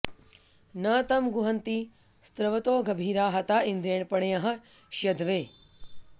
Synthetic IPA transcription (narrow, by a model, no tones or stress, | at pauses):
nɐːt̪ɐmɡʊɦɐnt̪i | st̪ɾɐʋɐt̪oːɡɐbʱiːɾaːɦɐt̪aːind̪ɾeːɳpɐɳjaɦɐ̆ | ʃjɐd̪ʱʋeː